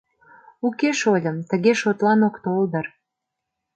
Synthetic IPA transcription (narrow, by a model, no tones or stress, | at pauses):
ukeʃolʲəmt̪əɣeʃot̪lɑnokt̪old̪ər